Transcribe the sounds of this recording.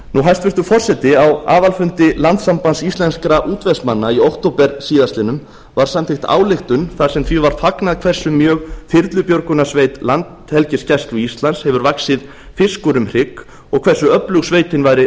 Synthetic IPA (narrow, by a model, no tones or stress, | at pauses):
nuɦajst̪vɪst̪ʏfɔr̥sɛt̪ɪawa̰ːvalfʏnt̪ɪlant̪sampansist̪lɛnskɾaʔuːt̪vɛsmanːaiowht̪owpɛɾsiːðast̪lɪnʏm | vaɾ̥samt̪ʰɪxt̪a̰ːwlɪxt̪ʏnθḁsɛmθvivaɾ̥faknaðkʰv̥ɛr̥sʏmjœːɣfɪɾt̪lʏpjɔɾkʏnasveːjt̪lant̪hɛlcɪscast̪luist̪lanshɛvʏɾvaksɪð | fɪskʏɾʏmr̥ɪk | ɔɣkʰv̥ɛɾ̥sʏœplʏɣsveːjt̪ɪnvajɾɪ